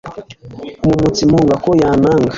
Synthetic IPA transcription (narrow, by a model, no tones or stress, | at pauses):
mumut͡simuŋɡakojanaːŋɡa